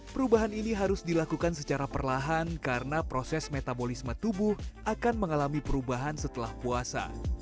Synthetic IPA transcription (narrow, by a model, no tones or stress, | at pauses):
pəɾubaɦaniniɦaɾʊsdilakukansət͡ʃaɾapərlaɦankaɾənapɾosɛsmet̪abolismat̪ubʊhʔakanməŋalamipəɾubaɦansət̪əlahpuasa̰